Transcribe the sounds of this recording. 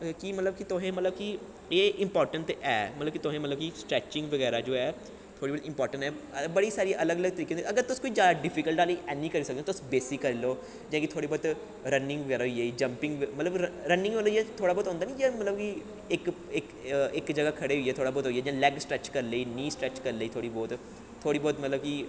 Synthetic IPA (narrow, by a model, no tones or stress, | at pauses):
kimət̪ləbkit̪ʊɦẽːmət̪ləbki | eːɪmpɔːɾʈəɳʈɛːmət̪ləbkit̪ʊɦẽːmət̪ləbkisʈɾɛːt͡ʃɪ̃ŋɡʋəɡɛːɾaːd͡ʒoːɛː | t̪ʰoːɽiːbɔːt̪ɪmpɔːɾʈə̃ɳʈɛːbəɽiːsaːɾiʔələɡələɡ̚t̪əɾiːkeõːnd̪əɡəɾt̪ʊskoːiːd͡ʒjaːd̪aɖɪpʰikəlʈaːliːʔɛːnĩːkəɾiːsəkd̪eoːt̪ʊsbeːsɪkːəɾiloː | d͡ʒãːkit̪ʰoːɽiːbɔːt̪ | ɾənɪ̃ŋɡʋəɡɛːɾaːɦoieiːd͡ʒə̃mpɪ̃ŋɡʋmət̪ləbɾənɪ̃ŋɡõloiɛt̪ʰoːɽaːbɔːt̪ɦõnd̪aːnĩːd͡ʒãːmələbki | ɪk | ɪkɪkd͡ʒəɡaːkʰəɽeːɦoiːɛːt̪ʰoːɽaːbɔːɾt̪ɦoiːɛːd͡ʒãːlɛːɡsʈɾɛːt͡ʃkəɾleiːnĩːsʈɾɛːt͡ʃkəɾleiːt̪ʰoːɽiːbɔːt̪ʰː | oːɽiːbɔːt̪mət̪ləb̚ki